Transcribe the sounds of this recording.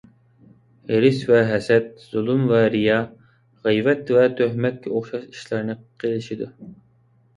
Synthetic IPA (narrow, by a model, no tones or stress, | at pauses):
heɾɪsvɛɦɛsɛt̪̚z̥ulˠumvɛɾijɑ | ʁijvɛt̪vɛt̪ʰøhmɛt̪̚kʲʰɛoχʃɑʃi̥ʃlɑɾnɨqʰelˠɪʃid̪u